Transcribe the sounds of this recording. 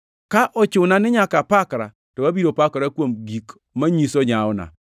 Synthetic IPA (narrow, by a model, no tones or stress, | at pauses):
kaʔɔt͡ʃʊnanɪɲakapakɾa̰ | tobabiɾopakɾakwomɡik | maɲisoɲaɔna̰